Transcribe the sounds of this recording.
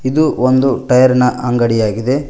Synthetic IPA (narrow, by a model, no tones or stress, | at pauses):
id̪uond̪uʈɐjɐɾɐnɐʔɐŋɡɐɽijaːɡid̪e̞